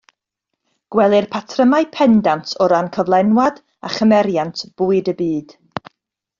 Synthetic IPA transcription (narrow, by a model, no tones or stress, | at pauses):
ɡ̥wɛlˠɨrpʰatʰrəmaɨpʰɛndantʰɔɾankʰɔvlˠɛnwad | aχəmɛɾjantʰb̥uːɨdəbiːd̥